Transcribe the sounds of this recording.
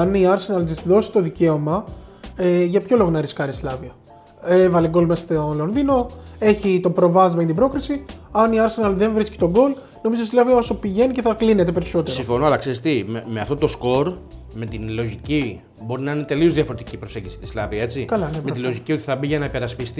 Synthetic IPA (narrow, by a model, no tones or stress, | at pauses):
ɐniɐɾse̞nɐlzisðo̞si̥t̪o̞ðice̞o̞mɐ | eʝɐpço̞lo̞ɣonɐɾiskɐɾislɐviɐ | evɐleɡo̞lmest̪olonðino̞e̞çit̪o̞pɾo̞vɐzmeçint̪ibɾo̞kɾisiɐniɐɾse̞nɐlðe̞ɱvɾisci̥t̪o̞ɡo̞l | no̞mizoislɐviɐosopiʝe̞nice̞θɐkline̞t̪e̞pe̞ɾiso̞t̪esiɱfo̞noɐlɐkseɾist̪imemeɐft̪o̞t̪o̞sko̞ɾ | me̞t̪inlo̞ʝici | bo̞ɾinɐinet̪e̞lio̞zðiɐfo̞ɾet̪icipɾo̞seɲɟisi̥t̪islɐviɐe̞t͡sikɐlɐnemet̪ilo̞ʝicio̞t̪i̥θɐbiʝɐnɐipe̞ɾɐspist̪i